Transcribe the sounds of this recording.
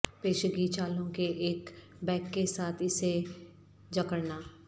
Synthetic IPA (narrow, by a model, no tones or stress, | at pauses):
peːʃɡiːt͡ʃaːlõkeʔeːk | bɛ̃ːkːesaːt̪ʰɪse | d͡ʒɐkəɾnaː